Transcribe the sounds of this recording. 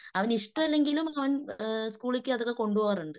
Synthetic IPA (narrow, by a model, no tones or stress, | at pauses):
ɐʋɐniʂʈɐmilːeŋɡilumɐʋɐnskuːɭikʲːɨɐðokːeko̞ɳɖuʋɐːruɳɖɨ